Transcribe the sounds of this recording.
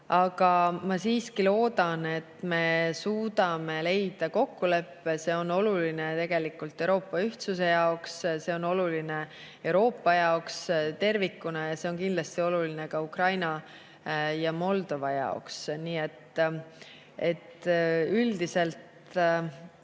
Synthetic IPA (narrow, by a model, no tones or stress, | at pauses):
ɑɡ̥ɑmɑsiːskilo̞ːd̪̥ɑne̞t̪me̞suːd̪̥ɑme̞le̞jd̪̥ɑko̞kːule̞pːese̞ːo̞no̞lulinet̪e̞ɡ̥e̞likːˑult̪ːˑewɾo̞ːpːˑɑyht̪suse̞jɑoksse̞ono̞luline̞ | e̞wɾo̞ːpˑːɑjɑokst̪e̞rvikːunɑjɑse̞onkind̪̥lɑst̪io̞lulinekɑukrɑjnɑ | jɑmo̞ld̪̥o̞vɑjɑ̰oksniːe̞t̪ː | e̞t̪yld̪ise̞lt̪